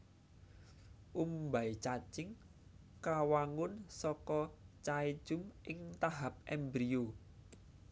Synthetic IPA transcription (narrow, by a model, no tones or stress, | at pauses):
ʔumbait͡ʃat͡ʃɪŋ | kawaŋʊnsɔkɔt͡ʃaid̥ʒ̥ʊ̤mʔɪŋt̪aɦap̚ʔɛmbɾio